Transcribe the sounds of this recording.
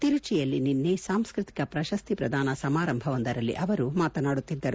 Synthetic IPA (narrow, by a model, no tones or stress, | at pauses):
t̪iɾut͡ʃijɐlːininːeːsaːmskɾɨt̪i̥kɐpɾɐʃɐst̪ipɾɐd̪ʱaːnɐsɐmaːɾɐmbʱɐʋɐnd̪ɐɾɐlːḭʔɐʋɐɾumaːt̪ɐnaːɽut̪ːid̪ːɐɾu